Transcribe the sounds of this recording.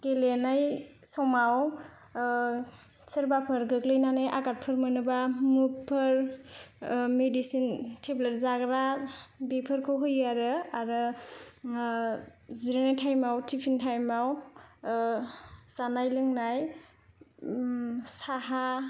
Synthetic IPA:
kelenajsɔmaw | səɾbapʰɯɾɡɯklɯjnanɯjʔaɡat̚pʰɯɾmɯnɯbamupʰːɯɾ | medisintʰebləɾzaɡɾabepʰɯɾkʰɯwɦɯjaɾɯaɾɯ | ziɾenajtʰajmawtʰipʰintʰajmaw | z̥anajlɯŋnaj | saɦa

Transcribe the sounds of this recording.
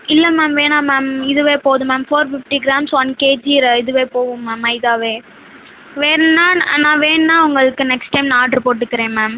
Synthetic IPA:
ɪlːɐmɛːmʋeːnaːmaːmɪðɯʋeːpoːðɯ̃mɛːmfoːɾfɪfʈiɡɪɾaːmsɐnːkeːd͡ʒiːɾɐɪðɯʋeːpoːʋɯ̃mːaːmɐɪðaːʋeː | ʋeːɾnːaːnãːʋeːnːãːʊŋɡɐɭɯkːɯnɛksʈɐɪmnaːʈɾɯpoːʈːɯkːɪɾẽːmɛːm

